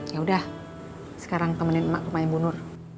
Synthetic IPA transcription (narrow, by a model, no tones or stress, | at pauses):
jaudah | sə̥kaɾaŋt̪əmənɪnma̰ʔpəmaɪnbunʊr